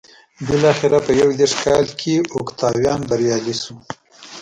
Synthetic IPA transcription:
bɪlɑxɪɾapəjawd̪eɾʂkɑlkʰeʊkt̪ɑwjɑnbaɾjɑlisu

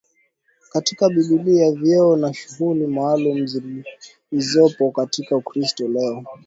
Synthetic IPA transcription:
katikaɓiɗiliavjɛɔnaʃuhulimaːlum̩zi | izɔpɔkatikaukɾistɔlɛɔ

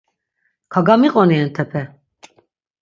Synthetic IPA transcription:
kʰaɡamiqʼɔniɛnt̪ʰɛpʰɛ

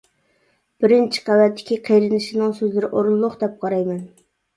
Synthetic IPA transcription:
b̥ɪɾɪnt͡ʃʰi̥qʰæwɛt̪ʰːɪ̥kʲiqʰejɾɪnɪʃɪnɪŋsøzlɪɾɪʔoɾunlˠʊχd̪ɛp̚qʰɑɾɑjmɛn

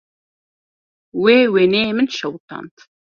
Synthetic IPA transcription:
weːweneːmɨnʃɐwt̪ɑ̰nt̪

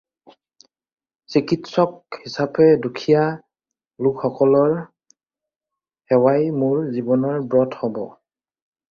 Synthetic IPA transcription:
sɹikitsɔk̚hisapɛdukʰija | lukʰxɔkɔlɔɹ | hɛwajmʊɹzibɔnɔɹbɹɔdhɔbɔ

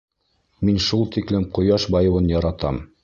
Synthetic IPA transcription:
minʃulˠt̪iklɘmqŏjɑʃbɑjɤ̆wɤnjɒɾɑt̪ɑm

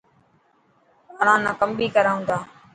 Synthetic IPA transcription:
anãːnãːkəmɓiːkəɾãːɦũːnd̪aː

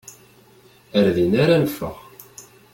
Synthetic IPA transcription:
æɾðinaɾanfːə̰ʁ

